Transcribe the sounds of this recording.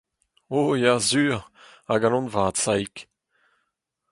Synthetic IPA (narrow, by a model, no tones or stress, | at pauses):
ojazyːʁaɡãnɔ̃nvaːt̪sajk